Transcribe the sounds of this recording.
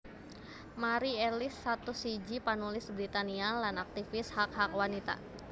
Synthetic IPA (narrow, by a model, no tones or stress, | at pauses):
maɾiɛlɪsːat̪usid͡ʒipanulɪsbɾit̪anialanak̚t̪ifɪshakhak̚wanit̪a̰